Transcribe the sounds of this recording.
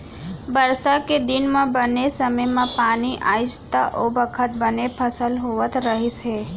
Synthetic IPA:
bəɾsaked̪ɪnmãbənesəməjmãpaniʔaist̪aʔobəkʰət̪̚bənepʰəsəlɦoʋət̪ɾəɦise

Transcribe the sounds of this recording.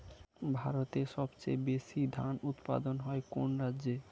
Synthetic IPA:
bʱaɾot̪eʃɔbt͡ɕejbeʃid̪ʱanut̪pa̰d̪onɦɔekonɾadd͡ʑe

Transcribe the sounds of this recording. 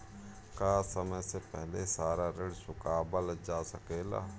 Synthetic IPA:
kaːsəməjsepɛɦlesaːɾaɾɪɽsʊkaːbəld͡ʒaːsəkeːla̰ː

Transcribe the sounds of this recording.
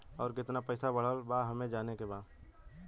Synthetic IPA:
ɔːɾkɪt̪napɛɪsabəɽ̤əlbaɦəmẽd͡ʒaːnekebaː

